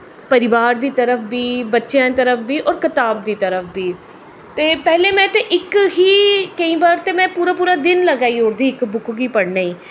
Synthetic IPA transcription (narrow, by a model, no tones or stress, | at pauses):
pəɾɪʋaːɾd̪iːt̪əɾəpʰbiːbətːʃjãːt̪əɾəpʰbiːʔɔːɾkɪt̪aːb̚d̪iːt̪əɾəpʰbiː | t̪eːpɛːleːmɛ̃ːt̪eʔɪkɦiːkəĩːbaːɾt̪eːmɛ̃ːpuːɾaːpuːɾaːd̪ɪnləɡaːiːoːɾd̪iːɪkbʊkɡiːpəɽnaːiː